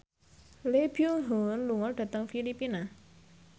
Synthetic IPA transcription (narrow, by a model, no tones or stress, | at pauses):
lebioɦonluŋɔɖ̥ä̤t̪əŋfilipina